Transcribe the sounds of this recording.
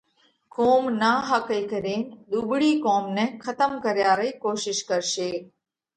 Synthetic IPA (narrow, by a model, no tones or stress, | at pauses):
koːmnaːɦakəjkəɾeːnd̪uːbɽiːkoːmnekʰət̪əmkəɾjaːɾəikoːʃɪʃkəɾʃeː